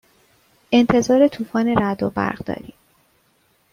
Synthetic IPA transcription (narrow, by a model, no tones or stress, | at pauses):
e̞nt̪ʰe̞zɒːɾe̞t̪ʰuːfɒːne̞ɾæd̪obæ̰ɾʁd̪ɒ̰ːɾiːm